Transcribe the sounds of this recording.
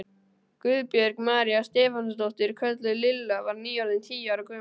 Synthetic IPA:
kʏðpjɛɾkmaːɾjast̪ɛːfanʏst̪owht̪ɪɾkʰœt̪lʏlɪlːavaɾniːalɪnt̪ʰiːjaɾakʰʏː

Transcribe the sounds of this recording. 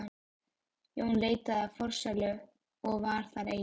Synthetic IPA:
jɛhunleːjt̪aðafɔɾ̥sɛlʏ | ɔɣvaɾ̥θaɾḛ

